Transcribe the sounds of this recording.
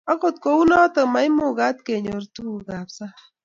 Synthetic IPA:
ɔ˦ko˨t̪̚ko˨wu˦nɔ˦tə˨ma˨i˦mo˨ɡa˦t̪ke˨ɲo˨ɾtu˦u˨ɡa˨psa˦

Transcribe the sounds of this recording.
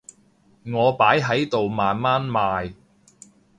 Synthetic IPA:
ŋɔː˨˧paː˨˥jɦɐ˨˥jt̪o˨wmaː˨nmaː˥nmaː˨˧j

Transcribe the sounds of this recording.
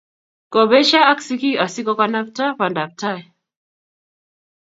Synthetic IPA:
kɔ˨βɛ˦ʃa˦a˦ksiki˦a˨si˦kɔ˦ka˦na˦p̚ta˦pa˨nda˨p̚ta˦ɛ˨

